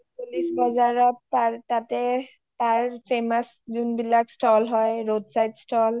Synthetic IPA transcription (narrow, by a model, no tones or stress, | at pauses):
pulisbɔzaɹɔtːatatɛ | taɹpʰemas | zunbilakstʰɔlɦɔjɹodsajtstʰɔl